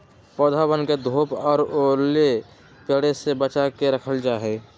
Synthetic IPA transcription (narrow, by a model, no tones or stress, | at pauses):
pɔːd̪ʱabənked̪ʱoːpɔːɾole | pəɽesebət͡ʃakeɾəkʰəld͡ʒaːɦe